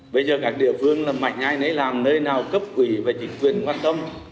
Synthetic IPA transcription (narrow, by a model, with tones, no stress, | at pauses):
ɓə˧jzəː˨˩kaː˦˥k̚ɗḭ˧˨əfɨ˧əŋlaː˨˩ma̰˨˧˩jŋ̟haː˧jnə˨˦jlaː˨˩mnəː˧jnaː˨˩wkə˦˥p̚ʔwi˧˨˩veː˨˩t͡ɕï˨˦ŋ̟kwi˨˩ənkwaː˧nt̪ə˧m